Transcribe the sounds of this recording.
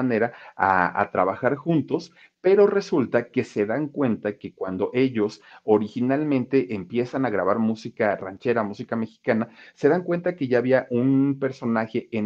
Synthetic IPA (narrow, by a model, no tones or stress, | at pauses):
ane̞ɾaa̰a̰t̪ɾaβaxaɾxunt̪o̞s | pe̞ɾo̞re̞sult̪ake̞se̞ðaŋkwe̞nt̪ake̞kwand̪o̞ʔe̞ʝo̞so̞ɾixinalmẽ̞nt̪e̞ʔempje̞sanaɣɾaβaɾmusikara̰nt͡ʃe̞ɾamusikame̞xi̥kanase̞ðaŋkwe̞nt̪ake̞ʝaːβiaʔunpe̞ɾso̞naxe̞ʔen